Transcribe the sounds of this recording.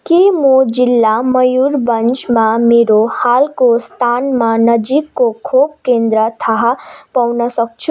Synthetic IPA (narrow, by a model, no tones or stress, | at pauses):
kemod͡zilːamʌjuɾbʌnt͡ʃmameɾohalkost̪ʰanmanʌd͡ʒikːokʰop̚kend̪ɾət̪ʰaɦapawnʌsʌk̚t͡ʃʰu